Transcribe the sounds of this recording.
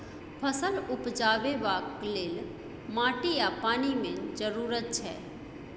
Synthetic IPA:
pʰəsəlʊpd͡ʒaːʋebakleːl | mãːʈijapaːnimẽd͡ʒəɾuːɾət̪̚t͡ʃʰɛ̰ː

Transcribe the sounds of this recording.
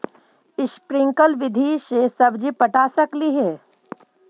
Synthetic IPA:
ɪʃpɾɪ̃ŋkəlʋɪd̪ʱisesɐbd͡ʒipɐʈaːsɐkliɦɛː

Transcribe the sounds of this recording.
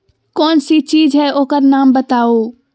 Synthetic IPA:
kɔːnsit͡ʃiːd͡ʒʱɦɛʔoːkəɾnaːmbət̪ao

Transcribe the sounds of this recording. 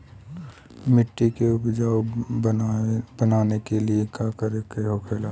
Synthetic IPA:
mɪʈːikeʊpd͡ʒaːo | b̥ɐnaːnekeliekaːkəɾekeɦokʰeːlaː

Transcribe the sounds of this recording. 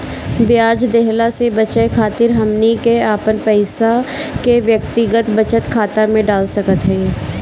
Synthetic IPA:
bjaːd͡ʒd̪ɛɦlasebɐt͡ʃəekʰaːt̪ɪɾɦɐmnikeaːpənpɛɪsakeʋjək̚t̪ɪɡət̪bɐt͡ʃət̪kʰaːt̪amẽɖaːlsɐkət̪ɦɛ̃

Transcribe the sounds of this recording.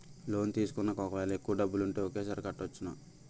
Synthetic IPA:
lo̞ːnt̪iːsu̥kunːɐkɔkɐʋɛːlɐekːuʋɐɖɐbːuluɳʈeːokeːsɐɾkɐʈːot͡ʃːuna

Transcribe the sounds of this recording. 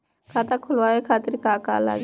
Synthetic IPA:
kʰaːt̪akʰʊlʋaːekʰaːt̪ɪɾkaːka̰ːla̰ːɡ

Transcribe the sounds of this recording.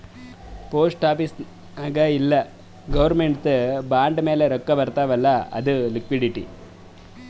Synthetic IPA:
poːsʈʈaːpis | naːɡɐilːɐ | ɡɐʋɐɾmeɳʈt̪baːɳɖme̞ːleɾɔkːɐbɐɾt̪aːʋɐlːɐɐ̰d̪ulikʋiɖiʈi

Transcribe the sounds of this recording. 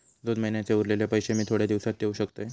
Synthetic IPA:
d̪onməɦinjat͡seuɾleljapəjɕemiːt̪ʰoɽjad̪iʋsat̪̚ːeuɕəkt̪əj

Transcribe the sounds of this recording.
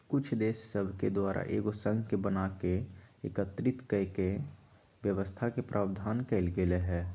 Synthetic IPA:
kʊt͡ʃʰd̪eːʃsəbʱked̪waːɾa̰ʔḛːɡosə̃ŋɡkebənakeḛkət̪ɾɪt̪kəke | ʋjəʋəst̪ʰakepɾʔaːbd̪ʱaːnkɛɪlɡeleɦɛː

